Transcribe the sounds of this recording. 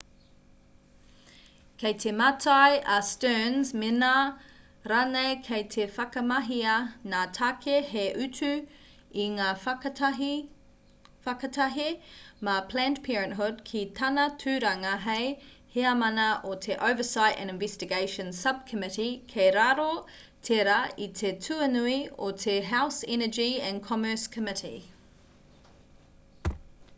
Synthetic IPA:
kʰejt̪ʰematʰajʔɐstøːnzmena | ɾanejkʰejt̪ʰefɐkɐmɐɦiɐnaːtʰakʰeheʔʉtʰʉ | iŋaː | fɐkɐtʰɐɦemapʰl̥æːntpʰɛːɹɛ̃nʔɦud̚kʰit̪ʰɐnɐtʰʉːɾɐŋɐɦej | heɐmɐnɐʔotʰeʔəʊvəsaɪtɛ̰̃nɪ̃nvɛstɪɡeɪʃə̃nsɐb̚kʰəmɪɾikʰeɾaɾo | tʰeɾɐitʰetʰʉɐnuiotʰeɦawsɛnəd͡ʒiɛ̃nkʰɔmə˞skʰəmɪtḭ

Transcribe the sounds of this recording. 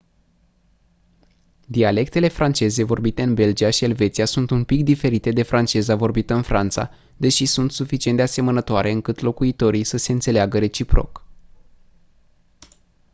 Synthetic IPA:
d̪iale̞k̚t̪e̞le̞fɾant͡ʃe̞ze̞vo̞rbit̪e̞ɨnbe̞ld͡ʒijaʃie̞lve̞t̪sijasunt̪unpik̚d̪ife̞ɾit̪e̞d̪e̞fɾʔant͡ʃe̞zavo̞rbit̪əɨnfɾʔant̪sa̰ | d̪e̞ʃisunt̪sufit͡ʃient̪d̪ease̞mənət̪oaɾe̞ɨŋkɨt̪lo̞kuit̪o̞ɾisəse̞ɨnt̪se̞leaɡəɾe̞t͡ʃipɾo̞̰k

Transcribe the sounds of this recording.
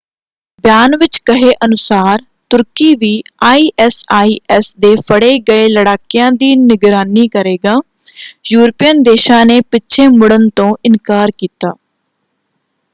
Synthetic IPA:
bjaːnʋɪt͡ʃkəɦeːʔənʊsaːɾ | t̪ʊɾkiːʋiːaːiːʔɛsaːiːʔɛsd̪eːfʰəɽeːɡəeːləɽaːkɪjãːd̪iːnɪɡɾaːniːkəɾeːɡaː | juːɾpijənd̪eːʃãːneːpɪːʃʰeːmʊɽənt̪õːʔɪnkaːɾkiːt̪aː

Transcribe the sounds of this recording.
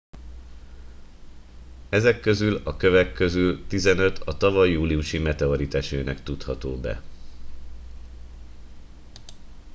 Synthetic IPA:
ɛzɛkːø̞zylɒkø̞vɛkːø̞zylt̪izɛnø̞t̪ʰɒt̪ɒvɒjːuːliuʃimɛt̪ɛoɾit̪aʃøːnɛkt̪ut̪hɒt̪o̰ːbɛ̰

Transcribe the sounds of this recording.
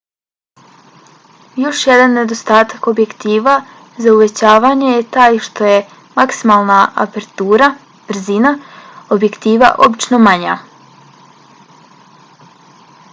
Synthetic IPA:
jo̞ʃje̞d̪anːe̞d̪o̞st̪aːt̪ako̞bje̞kt̪iːʋa | zauʋe̞t͡ɕaːʋaɲejet̪aːjʃt̪o̞je | maksimalˠnaʔa̰peɾt̪uːɾa | b̥ɾ̩zinaobje̞kt̪iːʋa̰ʔo̞bit͡ʃno̞maɲa̰

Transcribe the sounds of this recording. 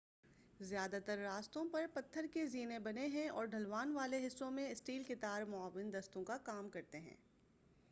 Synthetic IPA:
zjaːd̪at̪əɾːaːst̪õpɐɾpɐt̪ʰːəɾkeziːnẽbɐneɦɛ̃ɔ̰ːɾɖʱɐlʋaːnʋaːleɦɪsːõmẽɪsʈiːlkɪt̪aːɾmʊaːʋɪnd̪ɐst̪õkakaːmkɐɾt̪eɦɛ̰̃ː

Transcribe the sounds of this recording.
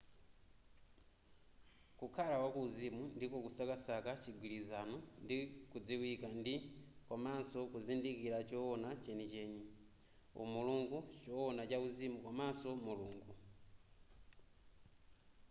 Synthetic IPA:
kukʰalawakuːzimundikokusakasakat͡ʃiɡwilizanundikud͡ziwikandikwamasokuzindikilat͡ʃowonat͡ʃenit͡ʃeɲi | ṵmuluŋɡut͡ʃowonat͡ʃauzimukwamasomuluːŋɡu

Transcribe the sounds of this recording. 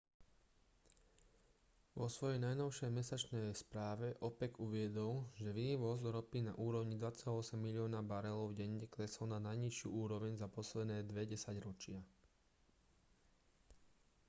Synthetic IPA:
ʋɔsʋɔjɛjnajnɔʊʃɛjmɛsat͡ʃnɛjspɾaːʋɛʔɔpɛɡuʋɪɛd̪ɔlʒɛʋiːʋɔzɾɔpina̰ʔuːɾɔʊɲid̪ʋat͡salaɔsɛmːilɪɔːnabaɾɛlɔʊvɟɛɲɛklɛsɔlnanajɲiʃɪṵuːɾɔʋɛɲzapɔslɛd̪nɛːd̪ʋɛɟɛsaɟɾɔt͡ʃɪa

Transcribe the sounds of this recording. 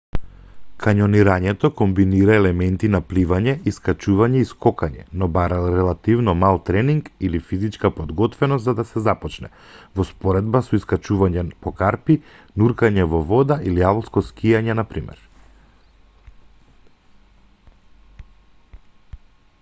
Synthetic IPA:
kʰaɲɔniɾaɲɛt̪ɔkɔmbiniɾaɛlɛmɛnt̪inaplivaɲɛʔiskat͡ʃuvaɲɛiskɔkaɲɛ̰nɔbaɾaɾɛlˠat̪ivnɔmalˠt̪ɾɛniŋkilifizit͡ʃkapɔd̪ɡɔt̪vɛnɔst̪zad̪asɛzapɔt͡ʃnɛ̰ | vɔspɔɾɛd̪basɔiskat͡ʃuvaɲɛpɔkaɾpi | nuɾkaɲɛvɔvɔd̪aʔiliavlˠskɔskijaɲɛnapɾimɛ̰ɾ

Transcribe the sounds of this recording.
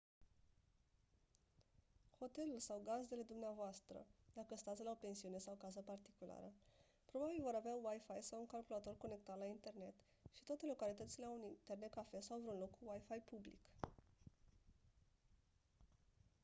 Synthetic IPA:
ho̞t̪e̞lulsawɡazd̪e̞le̞d̪umneavoast̪ɾə̰d̪akəst̪at̪sʲlao̞pe̞nsiune̞sawkazəpart̪ikula̰ɾə | pɾo̞babilvo̞ɾaveawajfajsawuŋkalkulat̪o̞rko̞ne̞k̚t̪at̪laint̪e̞rne̞t̪ | ʃit̪oat̪e̞lo̞kalit̪ət̪sile̞aunint̪e̞rne̞t̪̚kafe̞sawvɾeunlo̞kːuwajfajpublḭk

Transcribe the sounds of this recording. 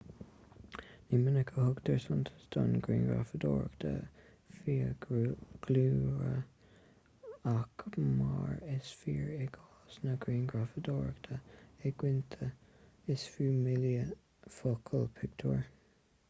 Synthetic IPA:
nimɪnəkʰəhʊɡd̪əɹsʊnt̪ʰə̥sd̥ʊnɡɹḭːnɡɹa̰fəd̪o̰ːɹkt̪ʰə̰ | fiːə | ɡ̥luːɹə | akmɑːɹɪsfiːɹɛɡɑːsnəɡɾiːnɡɹafəd̪oːɹəkt̪ʰəɛɡwɪnt̪ʰə | ɪsfuːmɪljə | fokʰəlpʰɪɡ̚t̪ʰuːɹ

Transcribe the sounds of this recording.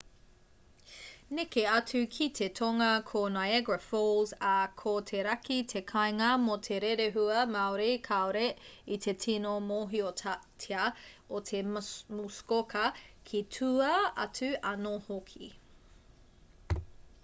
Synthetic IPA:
nekeɐt͡sʉkʰitʰetʰoŋɐkʰonaɛɡɹɐfolzakʰotʰeɾɐkitʰekʰɐjŋɐmotʰeɾeɾeɦuɐmaoɾejkʰaoɾeit̪ʰe̞tʰinomoːɦiotʰtʰeɐot̪ʰemuskokɐkʰitʰuɐɐt͡sʉɐnohokʰi

